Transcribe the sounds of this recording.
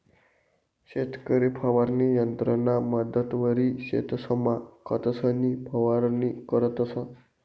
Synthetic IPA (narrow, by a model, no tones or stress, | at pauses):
ɕet̪kəɾipʰəʋaɾnijənt̪ɾənaməd̪ət̪ʋəɾiɕḛt̪ʰsəmakət̪əsənipʰəʋaɾnikəɾət̪əsə